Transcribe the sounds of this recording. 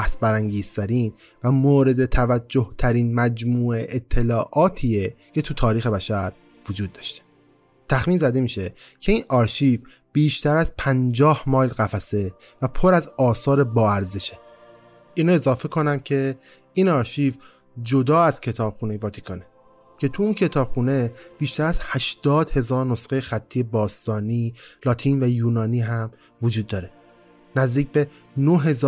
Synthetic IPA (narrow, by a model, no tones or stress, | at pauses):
æsbæɾæŋɟiːz̥t̪ʰæɾiːn | væmoːɾe̞d̪e̞t̪ʰævæd͡ʒːoht̪ʰæɾiːnmæd͡ʒmuːeʔet̪ʰːe̞lɒːʔɒːt̪ʰiːecʰe̞t̪ʰut̪ʰɒːɾiːxe̞bæʃæɾ | vod͡ʒuːd̪̚ːɒːʃt̪e | t̪ʰæxmiːnzæd̪e̞miːʃe̞ | cʰe̞iːnɒːɾʃiːf | b̥iːʃt̪ʰæɾæzpʰænd͡ʒɒːhmɒːjlɣæfæse̞ | væpʰo̞ɾæzɒːsɒːɾe̞bɒːæɾzeʃe | ʔiːnɑːe̞zɒːfe̞kʰo̞næmcʰe̞ | inɒːɾʃiv | d͡ʒo̞d̪ɒːæz̥cʰe̞t̪ʰɒːb̥xuːne̞jvɒːt̪ʰi̥kʰɒːne | cʰe̞t̪ʰuuncʰe̞t̪ʰɒːb̥xune̞b̥iːʃt̪æɾæzhæʃd̪̥ɒːd̪̥he̞zɒːɾno̞sɢejexæt̪ʰːije̞bɒːst̪ɒːniːlɒːt̪ʰiːnvæjuːnɒːniːɦæm | vod͡ʒuːd̪̚ːɒːɾe̞ | næzd̪iːc̚ʰbe̞ | noɦe̞z